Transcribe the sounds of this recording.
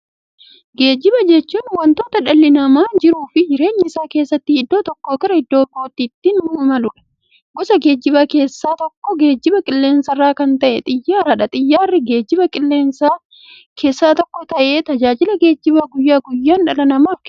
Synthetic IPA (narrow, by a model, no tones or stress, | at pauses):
ɡe̞ːd͡ʒːɪbɐd͡ʒɛt͡ʃːuːnwɐnt̪o̞ːt̪ɐᶑɐlːɪnɐmaːnd͡ʒɪɾuːfɪd͡ʒɪɾe̞ːɲːɪɪsaːke̞ːsːɐt̪ːɪhɪd̪ːo̞ːt̪ɔkːoːkɐɾɐhɪd̪ːo̞ːɡoːt̪ːiːt̪ːɪnʊmɐlʊᶑɐ̥ | ɡɔsɐɡe̞ːd͡ʒːɪbɐkeːsːaːt̪ɔkːɔɡeːd͡ʒːɪbɐkʼɪlːe̞ːnsɐrːaːkɐnt̪ɐʔɛt̪ʼɪjːaːɾɐᶑɐt̪ʼɪjːaːrːɪɡeːd͡ʒːɪbɐkʼɪlːeːns | kʰe̞ːsːaːt̪ɔkːɔt̪ɐʔe̞ːt̪ɐd͡ʒaːd͡ʒɪlɐɡe̞ːd͡ʒːɪbɐɡʊjːaːɡʊjːaːnᶑɐlɐnɐmaːfk